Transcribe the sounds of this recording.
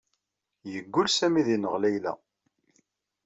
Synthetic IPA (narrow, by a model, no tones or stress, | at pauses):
jəɡːʊlsæmiðinəʁlæjlæ̰